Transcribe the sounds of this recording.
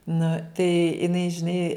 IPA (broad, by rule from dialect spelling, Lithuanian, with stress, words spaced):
nʊ tɐɪ ɪˈnɐɪ ʒʲɪˈnɐɪ